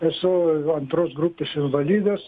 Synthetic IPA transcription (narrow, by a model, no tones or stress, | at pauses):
esoant̪ɾozɡɾupɪsiɱvaliðɐs